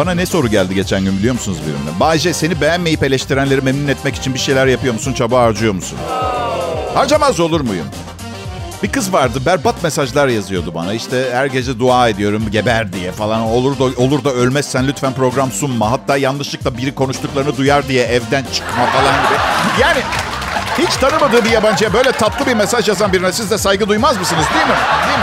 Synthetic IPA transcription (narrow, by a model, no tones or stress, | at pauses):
b̥ananɛso̞ɾuɟælʲd̪iɟe̞t͡ʃʰænɟynbilijo̞musunuzbḭɾḭmd̪æ̰nbaːid͡ʒɛse̞nibejænːejipe̞lʲɛʃt̪ʰiɾænlʲe̞ɾimemnunɛt̪mɛci̥t͡ʃʰinbiʃejlʲæɾjapɯjo̞musunt͡ʃʰabaaɾd͡ʒɯjo̞musṵn | haɾd͡ʒamazo̞lˠuɾmujṵm | b̥ikɯzvaɾd̪ɯbæɾbat̪mesaʒlˠaɾjazɯjo̞d̪uba̰naiʃt̪ʰɛhæɾɟe̞d͡ʒɛd̪uaːe̞d̪ijo̞ɾumɟebæɾd̪ijɛfalˠano̞lˠuɾd̪aolˠuɾd̪aølʲmɛsːænlʲyt̪fænpɾo̞ɡɾamsunmaɦat̪ːaːjanlˠɯʃlˠɯk̚t̪ˠabiɾikʰo̞nuʃt̪uklˠaɾɯnɯd̪ujaɾd̪ijɛʔɛvd̪ænt͡ʃʰɯ̥kmafalˠanɟib̪jaːnɪ | hit͡ʃt̪ʰanɯmad̪ɯːbijaband͡ʒɯjabø̞jlʲɛt̪ʰaplˠɯbiɾme̞saʒjazanbiɾinɛsizd̪ɛsajɡɯd̪ujmazmɯsɯnɯzd̪ijilmɪd̪ij